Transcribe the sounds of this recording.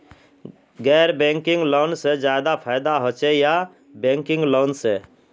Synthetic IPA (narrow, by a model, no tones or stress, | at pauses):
ɡɛːɾbẽŋkɪ̃ŋɡloːnsed͡ʒjad̪apʰaɪd̪aɦot͡ʃeja | bẽŋkɪŋɡloːnse